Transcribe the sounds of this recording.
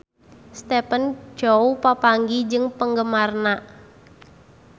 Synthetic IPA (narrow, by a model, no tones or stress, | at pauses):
st̪ɛpənd͡ʒ̥oupapaŋɡid͡ʒɨŋpəŋɡəmarna